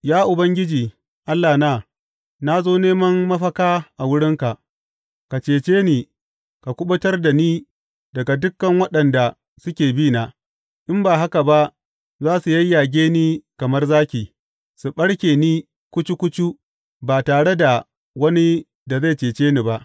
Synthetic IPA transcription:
jaː˦ʔʊ˨bɐ˦ŋɡʲɪ˦d͡ʒiː˨ | ʔa˦lːaː˨naː˦˨ | na˦zoː˦neː˦mɐ˦mːɐ˦ɸɐ˦kaː˦ʔa˨wʊ˦ɽɪ˦ŋka˨ʔ | ka˨t͡ʃeː˨t͡ʃeː˦niː˨ | ka˨kʷʊ˦ɓɐ˦tɐ˦rda˨niː˦ | dɐ˨ɡa˨dʊ˦kːɐ˨ŋwɐ˦ɗɐ˨nda˨ | sʊ˦kʲeː˨biː˦na˨ | ʔɪ˦mbaː˨ɦa˦ka˨ba˦ʔ | zaː˦su˨jɐ˦jːa˨ɡʲeː˦niː˦kɐ˨mɐ˦rzaː˦kʲiː˨ | su˨ɓɐ˦ɽkʲeː˨niː˦ | kʷʊ˦t͡ʃi˦kʷʊ˦t͡ʃu˦ | baː˨taː˨ɽe˦da˨ | wɐ˦ni˦ | da˨za˦˨jt͡ʃeː˨t͡ʃeː˦ni˨ba˦ʔ

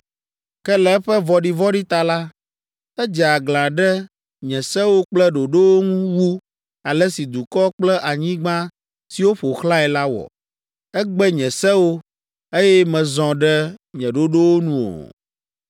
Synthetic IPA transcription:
kɛ˦lɛ˨ɛ˦ɸɛ˦vɔ˨ɖi˦˨vɔ˦ɖi˦t̪a˨la˦ | ɛ˦d͡ʒɛ˨a˨ɡlã˨ɖɛ˦ | ɲɛ̃˨sɛ˦wo˦k͡plɛ˦ɖo˨ɖo˦wo˦ŋũ˦wu˦ | a˨lɛ˦si˨d̪u˨kɔ˦k͡plɛ˦ʔa˨ɲĩ˦ɡ͡bã˦ | si˨wo˦ɸo˨xlã˦ɛ˨la˦wɔ̰˨ | ɛ˦ɡ͡bɛ˦ɲɛ̃˨sɛ˦wo˦ | e˦jɛ˦mɛ̃˨zɔ̃˨ɖɛ˦ɲɛ̃˨ɖo˦ɖo˦wo˦nũ˨o̰˨

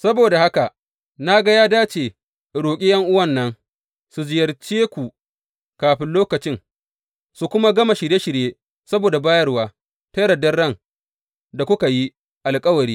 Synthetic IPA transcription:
sɐ˦boː˨da˨ha˦ka˨ | na˦ɡa˦jaː˦daː˦t͡ʃeː˨ | ɽoː˨kʲʼɪ˦jɐ˦ŋʔʊ˦wɐ˦˨nːɐ˦n | su˨d͡ʒɪ˨jɐ˨rt͡ʃeː˦kʷu˨ | kaː˨ɸɪ˦nloː˦kɐ˨t͡ʃɪ˦ŋ | su˨kʷʊ˦ma˦ɡɐ˦ma˨ʃɪ˨ɽje˦ʃɪ˨ɽjeː˦ | sɐ˦boː˨da˨baː˦jɐ˦rwaː˦ | tɐ˦ɾɐ˨dɐ˦rːɐ˦˨ŋ | da˨kʷʊ˦ka˨ji˦ | ʔa˨lkʼɐ˦wɐ˨ɾiː˦

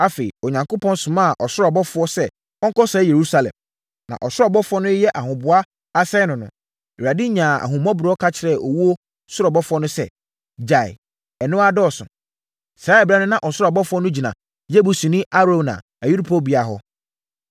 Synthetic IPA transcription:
a˦fe˨i˨ɔ˨ɲã˨ŋko˦pʰɔ̃˦n˦sʊ̃˨mã˦˨ʔɔ˨sʊ˦ɾɔ˨bɔ˦fʊ˦ɔ˦sɛ˦ | ɔ˦ŋ˦kɔ˦sɛː˨˦je˨ɾu˦sa˨lɛ̰̃˨m | nã̰˨ʔɔ˨sʊ˦ɔ˨bɔ˦fʊ˨˦ɔ˦nʊ̃˦jɛ˦ʔa˨ɦʊ̃˨bʊ˨a˦ | a˦sɛ˦nʊ̃˨nʊ̰̃˨ | a˨dɪ˦ɲã˨a̰˨ɦʊ̃˨mɔ̃˦bʊ˨ɾɔ˦kʰa˦t͡ɕʰɪ˨ɾɛ˦˨ʔɔ˨wu˦o˦ | sʊ˦ɾɔ˨bɔ˦fʊ˦ɔ˦nʊ̃˦sɛ̰˦˨ | d͡ʑa˨ɪ̰˨ | ɛ˨nʊ̃˦a˦dɔ˦˨sʊ̰̃˨ | sa˨˦ɛ˨bɾa˦nʊ̃˦nã˨ʔɔ˨sʊ˦ɾɔ˨bɔ˦fʊ˦ɔ˦nʊ̃˦d͡ʑi˨nã̰˨ | je˦bu˨sũ˨nĩ˦ʔa˦ɾõ˨nã̰˨ | a˨ju˦ɾu˦pʰo˦bi˨a˨ɦɔ˦

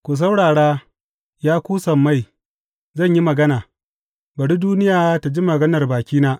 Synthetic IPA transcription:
kʷu˨s̬ɐ˦wɽaː˨ɽaː˦ | jaː˦kʷuː˦sɐ˨mːa˦˨j | zɐ˦˨ɲji˦mɐ˨ɡɐ˦naː˨ | bɐ˨ɽi˦duː˦nɪ˦jaː˨˦ta˨d͡ʒi˦mɐ˨ɡɐ˦nɐ˨rbaː˨kʲiː˦naː˦

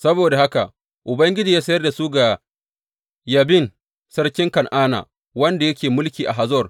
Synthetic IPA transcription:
sɐ˦boː˨da˨ha˦ka̰˨ | ʔʊ˨bɐ˦ŋɡʲɪ˦d͡ʒi˦˨jaː˦sɐ˦jɐ˦rda˨su˦ɡa˨ | jɐ˨bɪ˦˨n | sɐ˦rkʲɪ˦ŋkɐ˨nʔaː˦na̰˨ | wɐ˦nda˨jɐ˦kʲeː˨mʊ˦lkʲiː˨ʔa˨ɦa˨zɔ˦˨r

